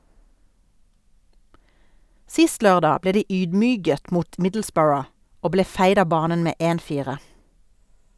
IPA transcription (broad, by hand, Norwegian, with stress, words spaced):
ˈsɪst ˈlœʁˌdɑː ˈbleː ˈdiː ˈyːdˌmyːɡət ˈmuːt ˈmɪdl̩ˌsbɜːɹə ˈoː ˈbleː ˈfæɪd ˈɑː ˈbɑːnən ˈmeː ˈʔeːn ˈfiːʁə